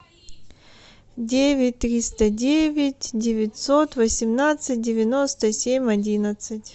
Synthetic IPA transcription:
dʲevʲɪtʲt̪ːɾʲist̪ədʲevʲɪtʲdʲɪvʲɪtʲsot̪vəsʲɪmnat̪sɨt̚ʲdʲɪvʲɪnost̪əsʲemʲɐdʲinət̪sɨtʲ

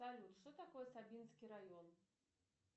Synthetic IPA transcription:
alʲut̪ʂt̪ɔt̪akɔjɛsabʲinskʲiɾajɔn

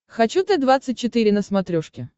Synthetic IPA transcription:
xɐt͡ɕut̪ɨd̪vat̪sːɨt̚ʲt͡ɕːɪt̪ɨɾʲɪnəsmɐt̪ɾʲoʂkʲɪ

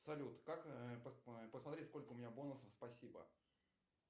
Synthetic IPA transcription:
sɐlʲut̪kakpəpəsmɐt̪ɾʲetʲsko̞lʲkəʊmʲɪnʲabo̞nʊsəfspɐsʲibə̰

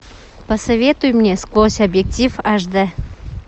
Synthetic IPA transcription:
pəsɐvʲet̪ʊjmnʲesklˠosʲɐbjek̚tʲifaʐd̪ɛ

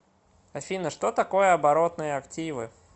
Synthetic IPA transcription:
ɐfʲinəʂt̪ot̪ɐko̞jəɐbɐɾo̞t̪nɨjəɐktʲivɨ

